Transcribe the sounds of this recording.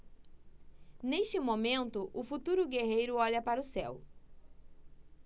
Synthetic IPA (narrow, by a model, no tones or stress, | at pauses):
neʃt͡ʃɪmõmẽnt̪ʊʔʊfut̪uɾʊɡeɦejɾʊɔʎɐpaɾʊsɛ̰w